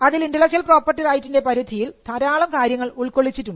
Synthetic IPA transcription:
ɐðilindɐlɐɕɐlpro̞ːpːɐrʈːirɐjtːinde̞pɐɾud̪ʱijilt̪ʰɐɾaːɭɐmkaːɾjɐŋːɐɭuɭkoɭːit͡ɕːitːuɳɖɨ

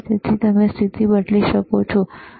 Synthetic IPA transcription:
t̪et̪ʰit̪əmest̪ʰit̪ibəɽliʃəkot͡ʃʰɔ

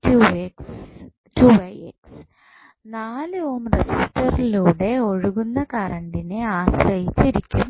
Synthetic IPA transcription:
tueks | tuːʋɐjḛks | naːlɨoːmresistːɐriluːɽe̞o̞ɻuɣunːɐkarɐɳɖineaːsrɐjit͡ɕːiɾikʲːum

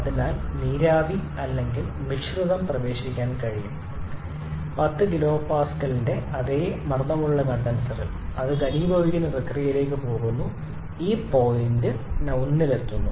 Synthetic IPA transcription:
ɐðinaːlniːɾaːdi | ɐlːe̞ŋɡilmiʂruðɐmprɐʋe̞ːɕikʲːaːnkɐɻijṵm | pɐt̪ːɨɡilo̞ːpaːskɐlinde̞ɐðeːmɐrnɐmuɭːɐnɐɳd̪ɐnɐsɐrḭl | ɐðɨɡɐniːbʱɐʋiɣɐnɨprɐkrijile̞ːkːɨpo̞ːɣunːu | iːpo̞ːlindɨnɐwnːilet̪ːunːu

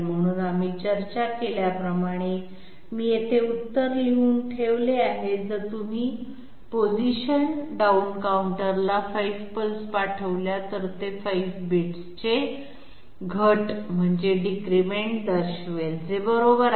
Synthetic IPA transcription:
m̤əɽ̃uːnamit͡ɕəɾt͡ɕakeljapɾəmaɽ̃e | miːjet̪ʰeut̪ːəɾliuːnʈʰeʋleaɦed͡zəɾt̪um̤iː | pod͡ʑiɕənɖaunkauɳʈəɾlafaifpəlspaʈʰəʋljat̪əɾt̪efaifbiʈst͡ɕe | ɡʱəʈm̤əɳd͡zeɖikɾimeɳʈ̚d̪əɾɕʋeld͡zebəɾobəɾ

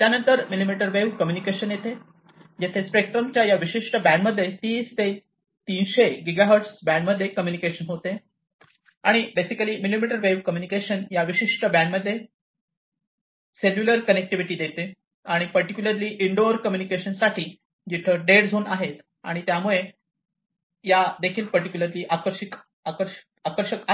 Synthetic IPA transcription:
t̪janənt̪əɾmilimiʈəɾʋeʋkəmjunikeɕənjet̪e | d͡ʑet̪ʰespek̚ʈ̪ɾəmt͡ɕjajaʋiɕiʂʈəbæ̃ɳɖməd̪ʱːjet̪iːst̪e | t̪inɕeɡiɡaɦəɾʈsbæ̃ɳɖməd̪ʱːjekəmjunikeɕənɦot̪e | aɽ̃ibesikəliːmilimiʈəɾʋeʋkəmjunikeɕənjaʋiɕiʂʈəbæ̃ɳɖməd̪ʱːje | seljuləɾkənek̚ʈiʋiʈiːd̪et̪e | aɽ̃ipəɾʈikʲjuləɾliːʔiɳɖoɾkəmjunikeɕənsaʈʰiː | d͡ʑit̪ʰeɖeɽd͡zʱoːnaɦet̪ | a̰ɽ̃it̪jamuɭe | jad̪ekʰiːlpəɾʈikjuləɾliːʔakəɾɕik | akəɾ | akəɾɕəka

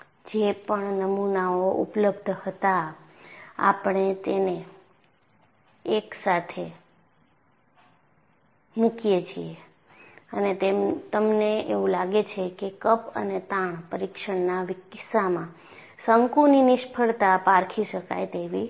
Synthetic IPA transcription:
d͡ʒepəɳnəmunaoʔṵpləbd̪ʱhət̪a | a̰pɳ̃et̪ene | ksat̪ʰe | mũkijet͡ʃʰie | ənet̪et̪əmneḛʋũlaɡet͡ʃʰekekəpə̰net̪aɳ̃pəɾikʃəɳnaʋiksamã | səŋkuninɪʃpʰəɭt̪apaɾkʰiʃəka̰jt̪eʋi

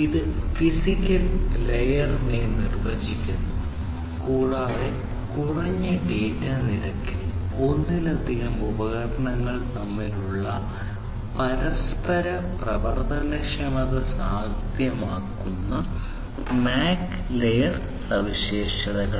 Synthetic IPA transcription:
iðɨfisikʲːɐllejɐrmeːnirʋeːd͡ʑikʲːunːu | kuːɻaːðe | kurɐɲːɨɖeːtanilɐkːil | o̞nːilɐd̪ʱiɣɐmubɐɣɐɾɐɳɐŋːɐɭt̪ɐmːiluɭːɐ | pɐɾɐspɐɾɐ | prɐbɐrt̪ʰɐnɐkʂɐmɐðɐsaːd̪ʱjɐmaːkːunːɐ | maːk | lejɐr | sɐʋiɕeːʂɐɽɐɣɐɭ

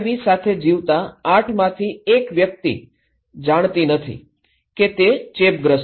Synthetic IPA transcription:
ʋisat̪ʰed͡ʒiʋt̪aːʈʰmãt̪ʰiekʋjək̚t̪ḭ | d͡ʒaɽ̃t̪inət̪ʰḭ | ket̪et͡ʃep̚ɡɾəs

